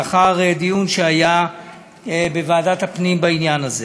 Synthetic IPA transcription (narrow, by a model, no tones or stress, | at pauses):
aχaʁed̪ijunʃeaja | bevaːdat̪hapnimbainjanaze